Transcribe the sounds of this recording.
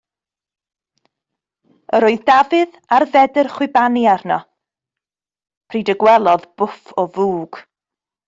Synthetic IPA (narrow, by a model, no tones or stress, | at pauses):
əɾoːɨðdavɨð | arvɛdɨrχwɪbaniarnɔ | pʰriːdəɡwɛlˠɔðb̥ʊfɔvuːɡ̥